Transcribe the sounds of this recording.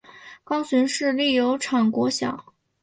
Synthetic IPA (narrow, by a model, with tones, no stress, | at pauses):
kɑ˥ʊsi˧˥nʂɻ̩˥˧li˥˩jo˧˥ʊʈ͡ʂʰɑ˨˩ŋkwɔ˧˥ɕjɑ̰˨˩˦